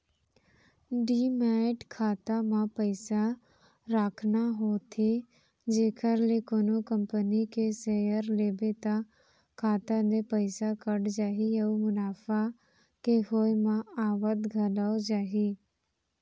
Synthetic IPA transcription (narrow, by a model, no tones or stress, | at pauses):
ɖiːmɛːʈkʰaːt̪amãpəɪsa | ɾaːkʰnaɦoːt̪ʰe | d͡ʒeːkəɾlekoːnokəmpənikesejəɾleːbet̪a | kʰaːt̪ad̪epəɪsakəɽd͡ʒaːɦiəumʊnaːfa | keɦoːemãaːʋət̪ɡʱɐlaod͡ʒaːɦi